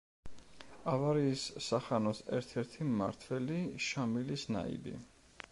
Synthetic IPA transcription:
avaɾiːsːaχanɔsɛ̰ɾt̪ʰɛɾt̪ʰima̰ɾt̪ʰwɛliʃamilisna̰ḭbḭ

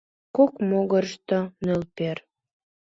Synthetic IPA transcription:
kokmoɣərʃt̪onølper

